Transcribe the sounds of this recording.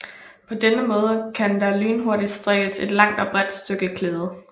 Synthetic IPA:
pʰɒ̽d̥enəmɔ̽ːð̞ˠəkʰænd̥ɑ̈lyːnɦo̝ɐɾid̥sd̥ʁɛɡ̥əse̝d̥lɑ̈ŋ̰d̥ɒb̥ʁɛd̥sd̥øɡ̥əkʰleːð̞ˠə

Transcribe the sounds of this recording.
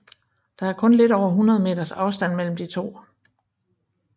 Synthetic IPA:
d̥ɑ̈æɐkʰɔ̽nle̝d̥ɒʊ̰ɐɦunʁɐð̞ˠme̝̰ːd̥ɐsɑ̈ʊsd̥æn̰mel̰m̩d̥it͡sʰo̝̰ː

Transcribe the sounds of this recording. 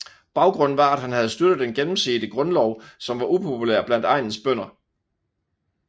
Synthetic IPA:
b̥ɑ̈ʊɡ̥ʁɔ̽n̰n̩ʋɑ̈æd̥hænhæð̞̩ˠsd̥ød̥ð̩ˠd̥enɡ̥enm̩sḭːd̥əɡ̥ʁɔ̽nlɒʊ̰sɒ̽mʋɑ̈ʔupʰo̝pʰulæɐ̰b̥læn̰d̥ɑ̈ɪ̰nn̩sb̥œn̰ɐ

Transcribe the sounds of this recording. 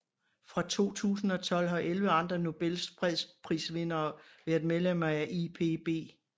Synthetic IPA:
fʁɑ̈t͡sʰo̝̰ːt͡sʰṵːsn̩ɒ̽t͡sʰɒ̽l̰ɦɒ̽ʔelʋəɑ̈nd̥ʁɐno̝b̥elspʰʁɛðspʰʁḭːsʋe̝nɐːʋæːɐðˠmeðˠlem̰ɐæʔepʰe̝b̥e̝̰ː

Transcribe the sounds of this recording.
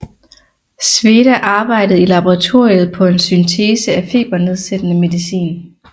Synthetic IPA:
sʋe̝ːɾ̥æʔɑ̈ːb̥ɑ̈ɪ̰d̥əð̩ˠilɑb̥ɒʁɑ̈t͡sʰo̝ɐ̰iəð̞̩ˠpʰɒ̽e̝nsynt͡sʰeːsəæfe̝̰ːb̥ɐne̝ð̞ˠsed̥ənəme̝ðˠisḭːn

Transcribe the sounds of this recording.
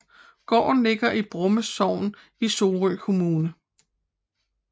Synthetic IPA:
ɡ̥ɒ̰ːn̩le̝ɡ̥ɐʔib̥ʁɔ̽məsɒʊ̰n | iso̝ːʁykʰo̝muːnə

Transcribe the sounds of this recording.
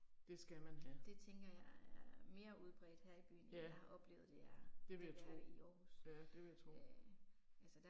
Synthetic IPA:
d̥e̝sɡ̥æmænɦæd̥e̝t͡sʰeŋɡ̥ɐjɑ̈ɪæɐɐme̝ːɐuð̞ˠb̥ʁɛ̰ːd̥heɐ̰ib̥y̰ːn̩hɑ̈ʔɒ̽b̥le̝̰ʊð̩ˠd̥e̝jæd̥e̝ʋeejat͡sʰʁoiɒːhusæd̥e̝ʋe̝jat͡sʰʁo | ælsəd̥æ

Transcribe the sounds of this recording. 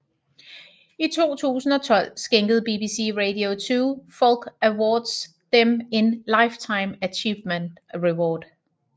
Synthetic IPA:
it͡sʰo̝̰ːt͡sʰṵːsn̩ɒt͡sʰɒ̽l̰sɡ̥eŋɡ̥əð̩ˠb̥ibiːsḭʁedio̝t͡sʰuːfɒlɡ̥æwɒːd̥s | d̥eme̝nlɑ̈ɪft͡sʰɑ̈ɪmæt͡ɕʰiːʋmənd̥ʁiwɒːd̥

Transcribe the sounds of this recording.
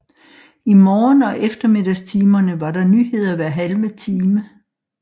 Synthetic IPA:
imɒːnɒ̽ʔefd̥ɐme̝d̥ɐst͡sʰiːmɐnəʋɑ̈ɾɑ̈nyːɦe̝ð̞̰ˠɐʋæɐ̰ɦælmət͡sʰiːmə

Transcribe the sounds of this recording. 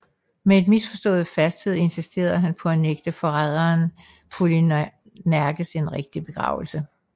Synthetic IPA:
mee̝d̥misfɒ̽sd̥ɔ̰̽ːð̞̩ˠfæsd̥t͡sʰið̞̰ˠe̝nsisd̥e̝̰ːɐðɦænpʰɒ̽æneɡ̥̚d̥əfɒ̽ʁað̞ˠɐːn | pʰuli | næɐɡ̥əseenʁeɡ̥̚d̥ib̥e̝ɡ̥ʁɑ̰̈ʊl̩sə

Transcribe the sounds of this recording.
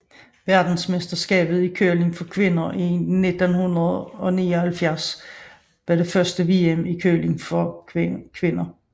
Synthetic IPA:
ʋæɐd̥n̩smesd̥ɐsɡ̥ɛ̰ːb̥ð̞̩ˠikʰøɐle̝ŋfɒ̽kʰʋe̝nɐʔined̥ənhunɐð̩ˠɒ̽niːɒhælfjæɐs | ʋɑɾe̝fɶɐsd̥əʋiːemikʰøːle̝ŋfɒ̽kʰʋe̝nɐ

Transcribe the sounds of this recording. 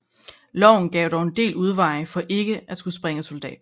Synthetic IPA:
lɒʊn̩ɡ̥ɛːʊdɒʊe̝nd̥e̝̰ːluð̞ˠʋɑ̈ɪfɒ̽ʔe̝ɡ̥əæ̥sɡ̥usb̥ʁɛŋəso̝ld̥ɛ̰ːd̥̚

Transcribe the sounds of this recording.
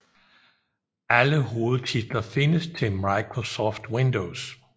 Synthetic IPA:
ʔæləhoːl̩ˠt͡sʰid̥lɐfɪ̝nəst͡sʰe̝mɑɪkʰʁosɒːfd̥wɪndoʊs

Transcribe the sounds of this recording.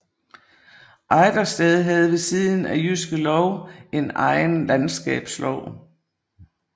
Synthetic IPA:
ʔɑɪd̥ɐsd̥ɛðˠɦæð̞ˠʋe̝siðˠn̩æjysɡ̥əlɒʊe̝nɑ̈ɪnlænsɡ̥ɛ̰ːb̥slɒʊ̰

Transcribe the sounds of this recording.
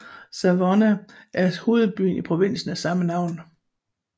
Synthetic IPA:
sæʋɒnæʔæɐho̝ːð̩ˠb̥y̰ːnipʰʁo̝ʋe̝n̰sn̩æsɑ̈mənɑ̈ʊ̰n

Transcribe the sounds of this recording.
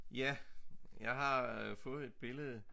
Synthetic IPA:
jæjɑ̈ɪɦɑ̈fɔ̽ːð̞̩ˠe̝d̥̚b̥e̝ləð̩ˠ

